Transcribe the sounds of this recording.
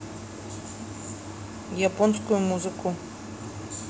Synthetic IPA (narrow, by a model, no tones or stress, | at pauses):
japɔnskʊjʊmuzɨkʰu